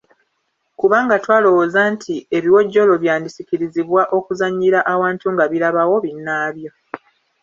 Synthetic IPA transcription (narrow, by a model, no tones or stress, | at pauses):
kuβaːŋɡatwaːlo̞wozantʰie̞βiwo̞ɟːo̞lo̞βjaːndisiciɾiziβwaʔo̞kuzaɲːiɾaʔawaːntuŋɡaβiɾaβawo̞βinːaːβjo̞